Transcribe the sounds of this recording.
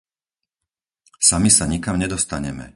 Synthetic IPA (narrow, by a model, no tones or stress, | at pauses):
samisaɲikamɲɛd̪ɔst̪aɲɛmɛ̰